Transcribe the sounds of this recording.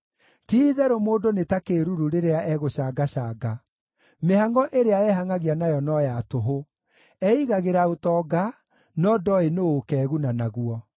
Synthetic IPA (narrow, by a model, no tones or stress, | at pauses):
tiðɛɾomoːdonetakeɾuɾuɾeɾeaʔɛɣoɕaɡaɕaːɡa | mehaŋɡɔʔeɾeaɛɦaŋaɣianajɔnɔjatoɦo | ɛiɣaɣeɾaotɔɡa | nɔdɔenookɛːɣunanaɣuɔ